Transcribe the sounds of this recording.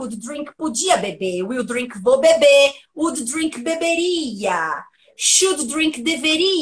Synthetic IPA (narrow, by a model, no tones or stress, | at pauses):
ud̪d̪ɾĩŋkpod͡ʒiɐbebewiwd̪ɾĩŋkvobebeud̪d̪ɾĩŋkbebeɾiɐ | ʃud̪d̪ɾĩkd̪eveɾi